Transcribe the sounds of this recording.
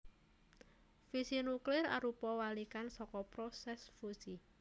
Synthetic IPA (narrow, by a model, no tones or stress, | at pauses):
fisinuklɪra̰ɾupɔwalikansɔkɔpɾosɛsfusi